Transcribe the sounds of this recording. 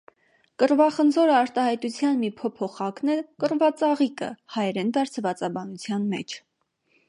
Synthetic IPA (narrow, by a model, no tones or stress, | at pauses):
kərvɑχənd͡zɔɾəɑɾt̪ɑhɑjt̪ut͡sʰjɑnmipʰɔpʰɔχɑknɛkərvɑt͡sɑʁikə̰hɑjɾɛnd̪ɑɾt͡sʰvɑt͡sɑbɑnut͡sʰjɑnmɛ̰t͡ʃʰ